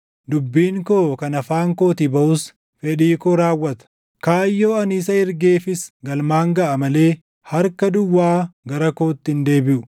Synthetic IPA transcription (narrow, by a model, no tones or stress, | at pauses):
d̪ʊbːiːŋkoːkɐnɐfaːŋkoːt̪ɪbɐʔʊs | fɛᶑiːkɔɾaːwːɐt̪ɐ̥ | kaːjːoːɐnisɐɪɾɡe̞ːfɪsɡɐlmaːŋɡɐʔɐmɐle̞ː | hɐɾkɐd̪ʊwːaːɡɐɾɐkoːt̪ːɪɪnd̪e̞ːbɪʔʊ̥